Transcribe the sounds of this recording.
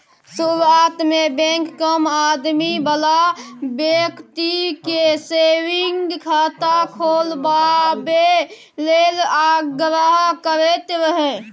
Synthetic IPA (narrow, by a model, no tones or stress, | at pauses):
suɾat̪mebẽkːəmad̪mibəlabjekt̪ikesewiŋɡkʰat̪akʰolbabe | lelaɡɾəɦkəɾɛt̪ɾəɦɛ̃